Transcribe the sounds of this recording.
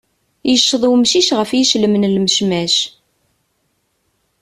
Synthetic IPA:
jəʃːəðˤwmʃiʃʁəfjiʃləmnlməʃmæʃ

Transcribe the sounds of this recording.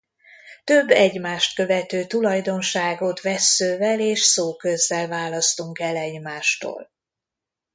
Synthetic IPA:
t̪ø̞bːɛɟmaːʃt̪kø̞vɛt̪øːt̪ulɒjd̪o̞nʃaːɡot̪vɛsːøːvɛleːʃsoːkø̞zːɛlvaːlɒst̪uŋkɛlɛɟmaːʃt̪o̰ːl

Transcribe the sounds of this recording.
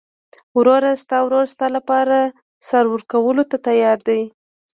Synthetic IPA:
wɾoɾast̪ɑwɾoɾast̪ɑlapɑɾa | sɑɾwəɾkawəlot̪at̪ajɑɾd̪aj

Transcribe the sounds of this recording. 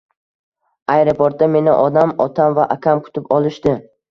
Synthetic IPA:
ajɾopʰoɾt̪̚d̪ame̞nɪʔɒd̪amɒt̪ʰamvaʔakʲʰamkʰʊ̥t̪ʰɪpɒlˠɪʃd̪ɪ

